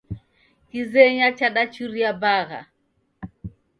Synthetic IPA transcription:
kizɛɲat͡ʃaɗat͡ʃuɾiabaɣa̰

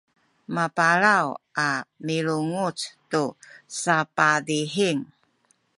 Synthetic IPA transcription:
mapaɾawʔamiɾuŋut͡stusapadiħiŋ

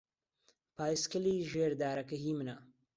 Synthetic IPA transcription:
paːjskəliʒeɾd̪aːɾakəɦimna

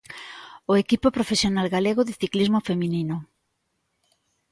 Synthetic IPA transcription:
oekipopɾofesjonalɣaleɣoðɪθiklizmofemĩnino

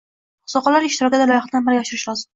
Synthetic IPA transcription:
ʊ̥sɒqɑlaɾɪʃt̪ɪɾɒkʲd̪alajɒχd̪anbɪɾaʃɪɾɪʃlɒzɪm

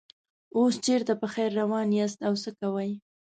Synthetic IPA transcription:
ost͡ʃeɾt̪apəxajɾːawɑnjast̪awsəkawəj

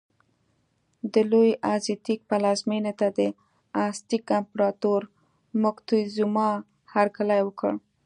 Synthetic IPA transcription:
d̪əlojʔazjɑt̪ik̚palɑzmenet̪ad̪ə | ɑst̪ikampɾɑt̪oɾ | mʊkt̪ujzumɑ | haɾkalajwəkə̰ɽ

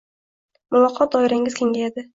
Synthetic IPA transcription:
mʊvɒqʰːɒt̪̚d̪ɒɪɾaŋʲɪz̥kʲʰeŋɡʲajad̪ɪ

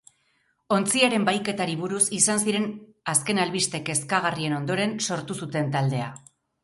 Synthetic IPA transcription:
o̞nt͡siaɾe̞mbajke̞t̪aɾiβuɾusisansiɾe̞naske̞nalβist̪e̞ke̞skaɣ̞arie̞no̞nd̪o̞ɾe̞nso̞ɾt̪usut̪e̞nt̪ald̪e̞a̰

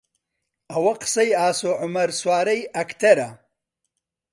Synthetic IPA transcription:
ɐwɐqsɐjaːsoʕʊmɐɾswaːɾɐjɐkt̪ɐɾa

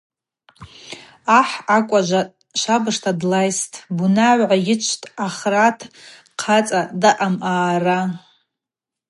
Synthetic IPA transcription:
aħakʷʼaʒʷa | ʃʷabɨʂtʰadlajstʰʼbunaʕʷʕajɪt͡ʃʷʰtʼaχratʰ | qʰat͡sʼadaʔamʔaːra

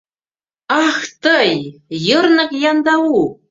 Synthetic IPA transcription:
ɑxt̪əjjərnɤ̆kjɑnd̪ɑwu

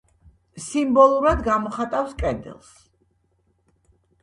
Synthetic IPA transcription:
simbɔlˠuɾad̪ɡamɔχat̪ʼafskʼɛnd̪ɛ̰lˠs

